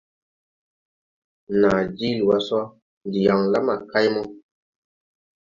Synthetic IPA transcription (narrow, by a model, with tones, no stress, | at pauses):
na˨d͡ʒi˦lu˨wa˨sa˦ | ndi˨ja˨ŋla˦ma˨ka˦jmɔ˦